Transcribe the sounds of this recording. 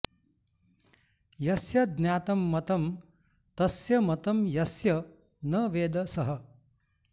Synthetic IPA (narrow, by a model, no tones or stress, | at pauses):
jɐsjɐd̪njaːt̪ɐmːɐt̪ɐm | t̪ɐsjɐmɐt̪ɐmjɐsjɐ | nɐːʋeːd̪ɐsɐɦɐ